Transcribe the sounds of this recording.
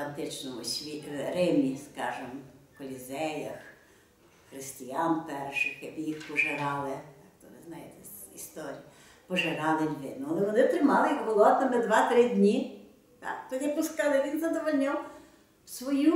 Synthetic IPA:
ɐnt̪ɪt͡ʃnɔmʊsʲʋʲiɾɪmʲiskɑʒɪmkɔlʲizɛjɐx | xɾɪsʲtʲijampɛrʃɪxjɐbjixpɔʒeɾɑlˠɪt̪ɑk̚t̪ɔnɛznɑjɪt̪ɛ | ist̪ɔɾʲijɐ | pɔʒeɾɑlˠɪlʲʋɪ̰nʊɔlˠɛʋɔnɪt̪ɾɪmɑlˠɪjɐkbʊlˠɔt̪ɐmɛd̪ʋɑt̪ɾɪdʲnʲi | t̪ɑ̰kt̪ɔjɐpʊskɑlˠɪʋʲinzɐd̪ɔʋɔlʲnʲɔw | wsʋɔju

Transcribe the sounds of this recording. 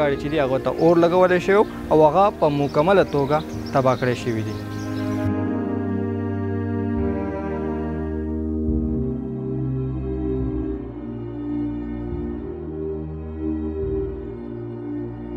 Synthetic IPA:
aɽit͡ʃed̪iɦaɣot̪a̰ʔoɾlaɡawəleʃəwew | awaɣapəmʊkamalat̪oɡa | t̪abɑkɽeʃəwid̪i

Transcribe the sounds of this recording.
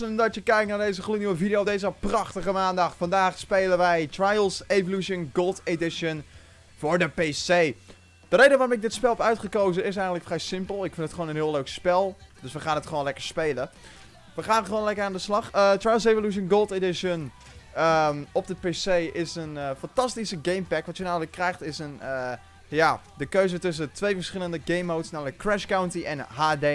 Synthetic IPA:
əndɔtjəkɛjk̚naɹdejzəχluniwəvidɪjodeːzəəprɑχtəχəmaːndɑχfɑndaːχspejlənʋɛjtrajlˠsevoluʃənɡolˠtedɪʃən | vʊːɹdəpesej | d̥əɾejdəʋaːrʊ̃mɪk̚dɪtspɛlˠɔpœɥtχəkowzənɪs̬ɛjɣəndtləkfrɛjsɪmpəlˠɪkfɪntətχəʋoːnənɦɪəlˠøɥkspɛlˠd̥ɵsʋəχaːnətχəʋoːnlɛkəɹspejlə | ʋəχaːnχəʋoːnlɛkəraːndəslɑχətɹajsevoluʃ̬ənɡolˠtedɪʃən | əmɔp̚dəpeːsejʔɪsənfɑntɑstisəɡejmpɛkʋɑtjənamələkːrɛjxtɪsənə | ja | dəkøɥzətɵs̬ətʋejvəɹsχɪləndəɡejmːowtsnamələkːrɛʃkawntiʔɛnɦaːde

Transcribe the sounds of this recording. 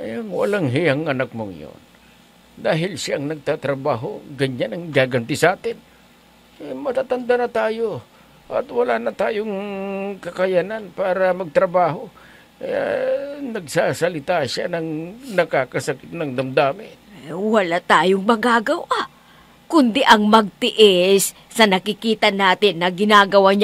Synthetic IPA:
jɐŋwɐ̰laŋɦɪjaŋʔɐnak̚moŋ̰jo̰n | d̪aːɦɪlsaʔɐŋnɐɡ̚t̪at̪ɾɐbaːɦo̰ɡɐɲːanɐŋɡaːɡɐnt̪ɪsʔaːt̪ɪn | mɐt̪aːt̪ɐnd̪anɐt̪aːjo | ʔɐ̰t̪wɐlaːnɐt̪aːjoŋkɐkɐjananpaːɾɐmɐɡ̚t̪ɾɐbaːɦo̞ | kɐja̰nɐɡ̚saːsɐlɪt̪aʃa̰nɐŋnɐkaːkɐsɐkɪt̪̚nɐŋd̪ɐmd̪aːmɪ | wɐlat̪aːjoŋmɐɡaːɡɐwa | kʊnd̪ɪʔɐŋmɐɡ̚t̪ɪʔɪsː | ɐnɐkɪkiːt̪ɐnaːt̪ɪnːɐɡɪnaːɡɐwaɲ

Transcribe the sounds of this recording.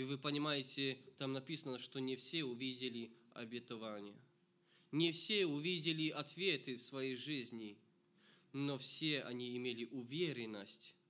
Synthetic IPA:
ivɨpənʲɪmajɪtʲɪt̪amnɐpʲisənəʂt̪onʲɪfsʲeʊvʲidʲɪlʲɪɐ̰bʲɪt̪ɐvanʲɪjə̰ | nʲɪfsʲeʊvʲidʲɪlʲɪʔɐt̪vʲe̞t̪ɨfsvɐjejʐɨzʲnʲɪ | nofsʲe̞ɐ̰nʲiːmʲelʲɪʔʊvʲeɾʲɪnːəsʲtʲ

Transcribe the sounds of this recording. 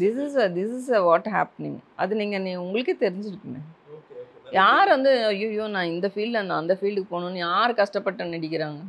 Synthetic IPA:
d̪ɪsɪsd̪ɪsɪs̬ʋɔːʈɦa̰ːpnɪ̰̃ŋʔɐ̰ðɯniːŋɡɐnĩːʊŋɡɐɭɯkːɯt̪ɛɾɪɲd͡ʒɪɾɯkːɯmeː | jaːɾʋɐnd̪ɯɐjoːɪjoːnãːɪnd̪ɐfiːɭɖɐɾnd̪ãːɐnd̪ɐfiːlɖɯkːɯpoːnʊ̃nːɯjaːɾɯkɐʂʈɐpːɐʈːɯnɛɽɪkʲːɪɾaːŋɡɐ

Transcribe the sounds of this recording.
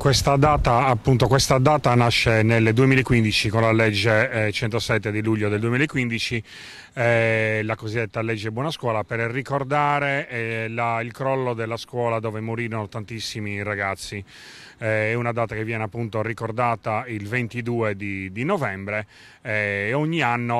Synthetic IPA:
kwɛst̪ad̪aːt̪aːpːunt̪okwɛst̪ad̪aːt̪anaʃːeneld̪uemilaɛkːwind̪it͡ʃikonlalɛd͡ʒːet͡ʃɛnt̪osɛt̪ːed̪iluʎːod̪eld̪uemilaɛkːwind̪it͡ʃi | ɛlakozid̪ːɛt̪ːalɛd͡ʒːɛbwɔːnaskwɔːlapɛrrikɔrd̪aːɾeɛlailkɾɔlːod̪ɛlːaskwɔːlad̪ɔːvɛmoɾiːɾɔnɔt̪ant̪isːimiraɡat̪sːi | ɛɛunad̪aːt̪akevːjɛːnɛapːunt̪orikɔrd̪aːt̪ailvent̪id̪uːed̪id̪inɔvɛmbɾe | ɛoɲːianːo

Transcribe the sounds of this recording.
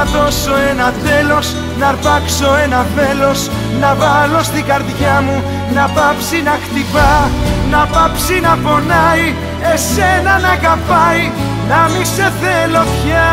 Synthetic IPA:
ɐðo̞so̞enɐθe̞lo̞s | nɐɾpɐkso̞enɐθe̞lo̞s | nɐvɐlo̞st̪iɡɐɾðʝɐmu | nɐpɐpsinɐkt̪ipɐnɐpɐpsinɐpo̞nɐi | e̞se̞nɐnɐɣɐpɐj | nɐmise̞θelo̞pçɐ

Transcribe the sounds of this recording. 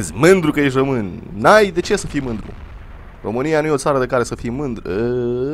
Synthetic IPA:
zʲmɨnd̪ɾukəjeʃ̬ʲrəmɨnnajd̪e̞t͡ʃe̞səfijmɨnd̪ɾṵ | ro̞̰mɨnijanujeo̞t̪saɾəd̪ekaɾe̞səfijmɨnd̪ɾṵə

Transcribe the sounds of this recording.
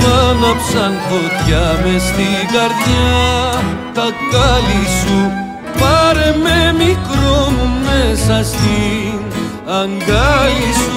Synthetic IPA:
ɐnɐpsankʰot̪jamest̪ikɐɾd̪ija | t̪ɐkːalisu | paɾememikɾommesɐst̪i | ɐŋɡalis

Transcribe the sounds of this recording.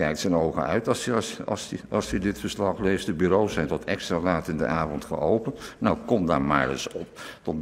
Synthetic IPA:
kɛjktsənowχə̰œ̰ɥtɑsɑ̰sɑlˠsədɪtfəɹslɑχlejstdəbyːɾowsɛjntɔtɛkstraːlaːtɪndə̰ʔaːvɔntχə̰owpənnɔwkɔmda̰ːɹma̰ːɹɪ̰sɔptɔt

